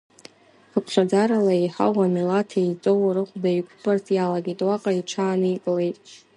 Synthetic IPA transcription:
ɨpʷʰχad͡zaɾalaiħa̰wamilatʰejt͡sʼowrɨχʷdaikʷʰbʼartʰjalaɡʲitʼwaqʼaiʈ͡ʂʰaːnɨjkʼle̞jtʼ

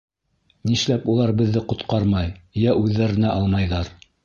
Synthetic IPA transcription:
niʃlæpulˠɑɾbɘ̆ðːɘqŏt̪qɑɾmɑjjæʔʉðːæɾɘ̆næʔɑlˠmɑjðɑɾ

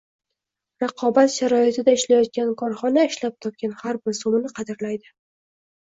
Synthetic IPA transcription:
ɾɑqʰɒbat̪ʃaɾɒjɪt̪ʰɪd̪aɪʃlajɒt̪̚kʲankʰɒɾχɒnaɪʃlap̚t̪ʰɒp̚kʲanhaɾbɪɾsomɪnɪqʰɑd̪ɪɾlajd̪ɪ

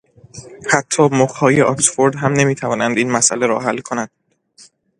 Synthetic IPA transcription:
hæt̪ʰːɒːmoxhɒːjeʔɒksfoɾd̪ɦæmne̞miːt̪ʰævɒːnænd̪iːnmæsʔæ̰leɾɒ̰ːɦælːkʰonænd̪̥̚

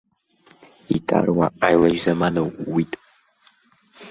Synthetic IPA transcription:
itʰʼa̰rwa̰ʔajlɐʒzɐmanɐwwitʼ

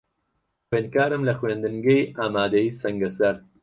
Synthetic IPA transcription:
xweːnd̪̚kaːɾɨmlɐxweːnd̪ɨnɡejʔaːmaːd̪ɐjiːsɐŋɡɐsɐɾ

